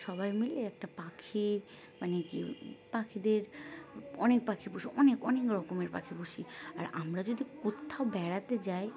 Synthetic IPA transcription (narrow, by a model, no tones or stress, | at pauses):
ʃɔbajmileɛk̚ʈapakʰi | manekḭpakʰid̪eɾ | ɔnek̚pakʰibuʃiʔɔnekɔnekɾɔkomeɾpa̰kʰibuʃia̰ɾa̰mɾad͡ʑod̪ikot̪ʰːaobɛɽat̪ed͡ʑaj